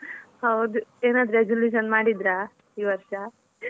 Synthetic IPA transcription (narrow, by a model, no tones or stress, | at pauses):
hɐwd̪ueːnaːd̪ɾɐed͡ʒoluːʃ̬ɐnmaːɽid̪ɾaː | iːʋɐɾʂɐ